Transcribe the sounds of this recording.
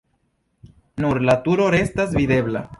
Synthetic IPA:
nuɾlat̪uɾoɾest̪azbiðeβla̰

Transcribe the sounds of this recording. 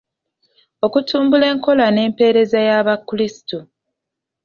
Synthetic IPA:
o̞kutʰuːmbule̞ːŋko̞lane̞ːmpe̞ɾe̞zajaβakːlisi̥tu

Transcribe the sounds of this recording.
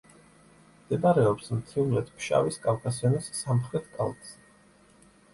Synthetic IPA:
md̪̥ɛbaɾɛɔpsmt̪ʰimlɛt̪ʰpʰʃa̰viskʼalkʰʼasiɔnisːamχɾɛt̪ʰkʼa̰lˠt̪ʼs

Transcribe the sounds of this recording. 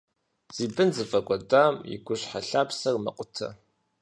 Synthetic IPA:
z̥iːbɨnzɨfʼɐɡʷʼɔdaːmjɪ̰ɡʷʊɕħaɬaːpsɐrmɐ̰qʷʼʊtʰɐ̰

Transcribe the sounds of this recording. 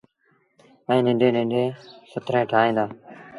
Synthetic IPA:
ɛ̃ːnɪ̃ɳɖẽːnɪ̃ɳɖeːsʊt̪ʰɾẽːʈʰaːɦẽːnd̪aː

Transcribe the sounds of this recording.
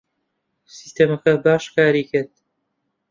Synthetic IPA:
si̥st̪eːmɐkɐbaːʃkaːɾiːkɨɾt̪̚

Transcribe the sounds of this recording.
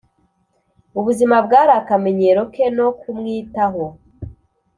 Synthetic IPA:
uβuzimabɡaːɾakame̞ɲe̞ɾo̞ke̞no̞kumŋiːtaɦo̞

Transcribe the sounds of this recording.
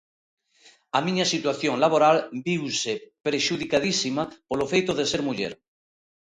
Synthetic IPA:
amĩɲasit̪waθjoŋlaβ̞oɾalbiwsepɾeʃuðikað̞isimapolofejt̪oðeseɾmuʎḛɾ

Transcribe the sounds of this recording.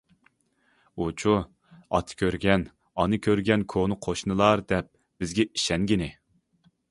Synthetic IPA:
ut͡ʃʰu | ɑ̰t̪ʰɨ̥kʲʰøɾɡʲɛn | ɑnɨkʲʰøɾɡʲɛnkʰonɨqʰoʃnɨlˠɑɾd̪ɛp̚ | b̥ɪzɡʲɛi̥ʃɛŋɡʲinɪ

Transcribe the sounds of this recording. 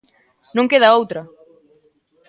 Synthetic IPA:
nõŋkeðɐowt̪ɾɐ

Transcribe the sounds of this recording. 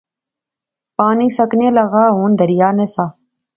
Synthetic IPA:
paːniːsəkneːləɣaːɦuːnd̪ʱəɾɪjaːneːsaː

